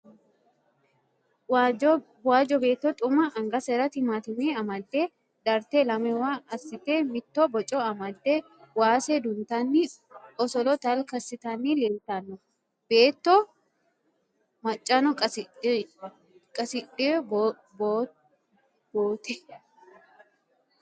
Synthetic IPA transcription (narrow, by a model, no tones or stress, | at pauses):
waːd͡ʒɔbe̞ːt̪ːɔt̪ʼʊmɐɐŋɡɐsɐɾɐt̪ɪmaːt̪ɪmeːɐmɐd̪ːeː | d̪ɐɾt̪elɐmɛwaɐsɪt̪eːmɪt̪ːobɔt͡ʃʼɔɐmɐd̪ːe | waːsed̪ʊnt̪ɐnːi | ɔsɔlɔt̪ɐlkɐsɪt̪ɐnːileːlt̪ɐnːɔ | b̥eːt̪ːɔ | mɐt͡ʃʼːɐnɔkʼ | kʼɐsɪᶑɪ | bo | boːt̪ɛ